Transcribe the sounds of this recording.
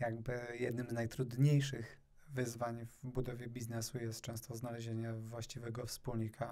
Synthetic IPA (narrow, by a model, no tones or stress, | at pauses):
jaɡbɘjɛd̪nɘmznajt̪ɾud̪ɲejʂɘɣ | vɘzvaɲvbud̪ɔvʲjɛbʲiznɛsujɛst̪̚t͡ʂɛ̃w̃st̪ɔznalɛʑeɲɛvwaɕt͡ɕivɛɡɔfspulɲikʰa